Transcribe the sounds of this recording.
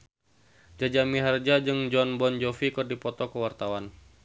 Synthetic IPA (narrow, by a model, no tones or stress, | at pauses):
d͡ʒad͡ʒamiɦard͡ʒad͡ʒɨŋd͡ʒɔnbɔnd͡ʒɔfikɨrdipɔt̪ɔkəwart̪awan